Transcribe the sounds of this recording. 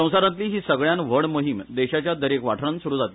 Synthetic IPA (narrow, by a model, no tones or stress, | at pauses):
ə̃w̃saɾãt̪liːɦiːsəɡɭjanʋəɽmoɦimd̪eɕat͡ɕjad̪əɾekʋaʈʰɾənsuɾuːd͡zat̪i